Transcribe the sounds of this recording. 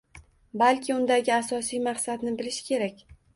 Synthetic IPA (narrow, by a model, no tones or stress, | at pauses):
balkʲʰɪʊnd̪aɡʲɪasɒsijmaqsad̪nɪbɪlɪʃkʲʰe̞ɾakʲ